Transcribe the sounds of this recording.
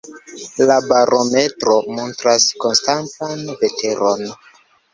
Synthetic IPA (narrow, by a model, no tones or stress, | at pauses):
labaɾʔome̞tɾo̞montɾasko̞nstantanve̞te̞ɾʔo̞n